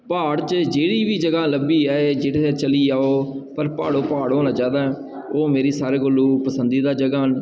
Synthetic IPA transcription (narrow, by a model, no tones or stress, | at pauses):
paːɽt͡ʃd͡ʒeːɽiːʋiːd͡ʒəɡaːləbiːɛːed͡ʒeːɽeːt̪et͡ʃəliːaːoːpəɾpa̰ːɽoːpaːɽoːnãːd͡ʒaːd̪aːɛː | oːmeːɾiːsaːɾeːɡolːuːpəsənd̪iːd̪aːd͡ʒəɡaːn